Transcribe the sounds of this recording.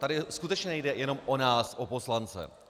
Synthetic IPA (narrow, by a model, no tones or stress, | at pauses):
t̪adɪskut̪ɛt͡ʃɲɛnɛjdɛjɛno̞mʔonaːsʔopo̞slant͡sɛ̰